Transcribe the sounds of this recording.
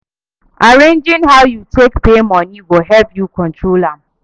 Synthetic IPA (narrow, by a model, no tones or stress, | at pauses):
aɾend͡ʒɪ̃nɦawjutekpemɔ̃niwoɦɛlpjukɔ̃ntɹolam